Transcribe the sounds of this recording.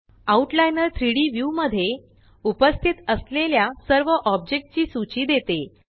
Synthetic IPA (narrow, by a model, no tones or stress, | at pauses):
auʈlajnəɾt̪ʰɾiɽiːʋjuməd̪ʱːje | upəst̪ʰit̪əsleljasəɾʋəʔɔb̚d͡ʑek̚ʈ̚t͡ɕiːsut͡ɕiːd̪et̪e